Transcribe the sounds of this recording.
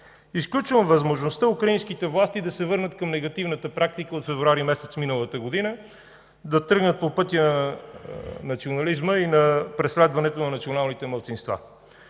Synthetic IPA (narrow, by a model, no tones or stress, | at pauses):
isklʲut͡ʃvəmvəzmoʒnost̪əukɾɐinskit̪ɛvlˠast̪id̪ɐsɛvɤɾnət̪kɐmnɛɡɐt̪ivnət̪əpɾak̚t̪ikəot̪fɛvɾuaɾimɛsɛt̪sminəlˠət̪əɡod̪inə | d̪ɐt̪ɤɾɡnət̪̚popɤt̪ʲjənɐ | nɐt̪sionɐlizməinɐpɾɛslɛd̪vɐnɛt̪onɐnɐt̪sionalˠnit̪ɛmɐlˠt̪sinst̪va̰